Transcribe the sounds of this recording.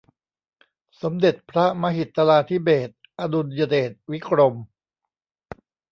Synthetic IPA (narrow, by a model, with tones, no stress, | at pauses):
so˩˦md̪e˨˩t̪̚pʰɾa˦˥ma˧ɦi˨˩t̪ːa˧laː˧t̪ʰi˦˥beː˨˩t̪̚ | ʔa˧du˧njaː˧deː˨˩t̪̚wi˦˥kʰɾo˧m